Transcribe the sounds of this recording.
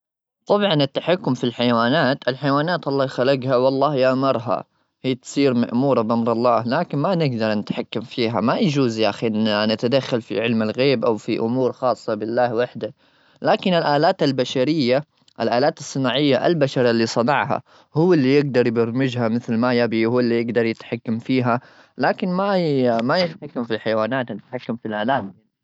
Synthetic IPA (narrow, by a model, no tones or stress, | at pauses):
t̪ˤɑbʕɑnɪt̪ːaħakːʊmfilħajwaːnaːt̪ʔɪlħajwaːnaːt̪ʔɑlˤːɑːhxalaɡhawɑlˤːɑːhjaʔmɑɾˤɦa̰ | hɪjːt̪sˤiːɾma̰ʔmuːɾˤɑbʔamɾˤɑlˤːɑːhlaːkɪnmanɪɡd̪ɑɾˤnɪt̪ħakːamfiːɦa̰majd͡ʒuːzjʔaxiʔɪnanat̪ad̪axːalfḭʕɪlmɪlɣeːbʔawfiʔʊmuːɾxɑːsˤːɑbɪlːaːhwaħd̪a | laːkɪnɪlʔaːlaːt̪albaʃaɾɪjːa | ʔalʔaːlaːt̪ɑsˤːɨnaːʕɪjːaʔa̰lbaʃɑɾˤalːisˤɑnɑʕha̰ | hʊwːɪlːijɪɡd̪ɑɾˤjbɑɾˤmɪd͡ʒhamɪθlmajabihʊːɪlːijɪɡd̪ɑɾˤjɪt̪ħakːamfiːɦa | laːkɪnmamajɪt̪ħakːamfiħajwaːnaːt̪nɪt̪ħakːamfilʔaːlaːt̪a